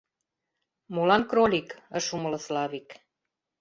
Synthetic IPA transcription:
molɑnkrolikə̆ʃumələ̆slɑβik

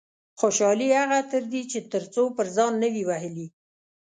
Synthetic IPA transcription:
xoʃɑlihaɣat̪əɾd̪it͡ʃet̪əɾt͡sopəɾzɑnːəwiwahəli

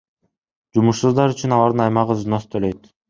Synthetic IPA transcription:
d͡ʒumuʃsuzd̪ɑɾyt͡ʃynɑlˠɑɾd̪ɯnɑjmɑʁəznost̪ʰøløjt̪

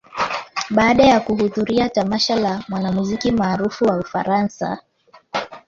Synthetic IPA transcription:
ɓaːɗajakuhuðuɾiatamaʃalamwanamuzikimaːɾufuwaufaɾansa̰

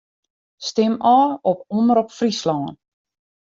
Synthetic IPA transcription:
stɪmɔːɔpɔndəɾɔpfrislɔŋə̰n

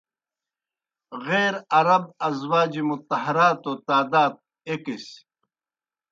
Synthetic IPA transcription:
ɣeːɾɐɾɐb̚ɐzwaːd͡ʑimut̪ɐɦɐɾaːt̪ot̪aːd̪aːt̪̚ | ekis

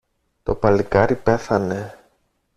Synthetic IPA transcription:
t̪o̞pɐlikɐɾipe̞θɐne̞

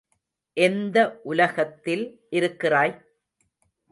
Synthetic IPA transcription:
ʔɛnd̪ɐʔʊlɐɣɐt̪ːɪlʔɪɾɯkːɪraːj

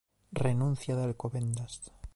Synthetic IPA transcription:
renũn̟θjaðealkoβend̪ast̪

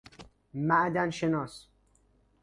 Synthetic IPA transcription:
mæʔd̪ænʃenɒːs

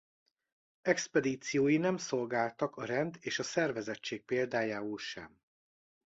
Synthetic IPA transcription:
ɛkspɛd̪iːt̪sijoːjinɛmso̞lɡaːlt̪ɒkɒɾɛnd̪eːʃɒsɛrvɛzɛt͡ʃːeːk̚peːld̪aːjaːulʃɛ̰m

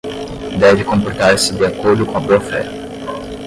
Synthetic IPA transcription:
d̪ɛvɪkõmpoɾt̪aɾsɪd̪iakoɾd̪ʊkõɐboɐfɛ̰

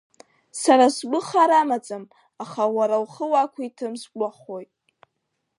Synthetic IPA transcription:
saɾasɡʷʼʊχaɾamat͡sʼam | aχawaɾawχəwakʷʰitʰɨmsɡʷʼaχojtʼ

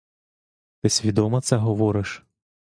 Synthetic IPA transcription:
t̪ɪsʲʋʲid̪ɔmɐt̪sɛɦɔʋɔɾɪʃ

